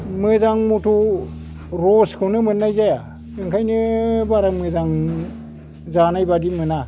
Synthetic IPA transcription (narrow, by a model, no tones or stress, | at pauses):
mɯzaŋmutʰu | ɾoskʰɯwnɯmɯnːajzaja | ɯŋkʰajnɯbaɾamɯzaŋ | zanajbadimɯna